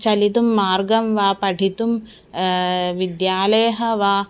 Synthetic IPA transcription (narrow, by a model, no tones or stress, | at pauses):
t͡ʃɐlit̪̬umːaːɾɡɐmʋaːpɐʈʰit̪um | ʋid̪jaːlɐjɐɦɐʋaː